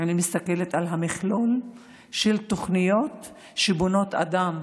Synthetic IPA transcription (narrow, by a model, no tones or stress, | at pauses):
animist̪ake̞let̪alɦamiχlol | ʃelt̪o̞χnijo̞t̪ | ʃebono̞t̪a̰d̪am